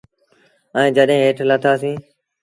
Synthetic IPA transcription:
ɛ̃ːd͡ʒəɗɦẽːɦeːʈʰlət̪ʰaːsĩː

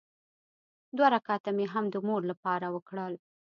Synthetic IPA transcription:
d̪waɾakɑt̪ameɦamd̪əmoɾlapɑɾawəkɽəl

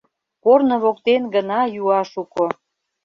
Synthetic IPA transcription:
kornŏβokt̪enɡənɑjuɑʃuko

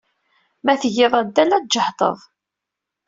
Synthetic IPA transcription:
mæθʝɪðˤæd̪ːælæd͡ʒəħt̪ˤə̰ðˤ

